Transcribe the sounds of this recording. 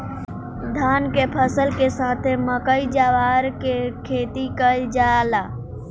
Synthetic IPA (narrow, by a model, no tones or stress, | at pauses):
d̪ʱaːnkepʰəsəlkesaːt̪ʰeməkəid͡ʒaːʋaːɾkekʰeːt̪ikəid͡ʒalaː